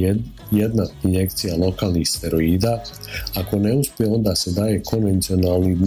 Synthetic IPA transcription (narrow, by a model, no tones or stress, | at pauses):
jed̪nainje̞k̚t̪sijalˠo̞kaːlˠnixst̪e̞ɾo̞iːd̪aako̞ne̞uspjeo̞nd̪aːse̞d̪aːje̞kʰo̞nʋe̞nt̪io̞naːlˠnid̪